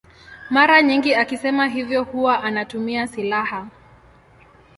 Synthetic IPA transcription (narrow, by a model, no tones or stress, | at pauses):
maɾaɲiŋɡiakisɛmaɦivjɔhuwaʔanatumiasilaha